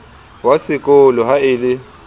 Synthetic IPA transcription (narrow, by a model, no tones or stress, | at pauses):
wasɪkʼʊlɔɦaɪlɪ